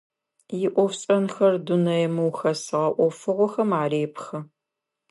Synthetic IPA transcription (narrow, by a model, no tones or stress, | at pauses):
jɪʔʷɔfɕʼɐnxɐrdunɐjɛmɨwxɐsɨʁɐʔʷɔfɨʁʷɔxɐmaːɾeːpxɐ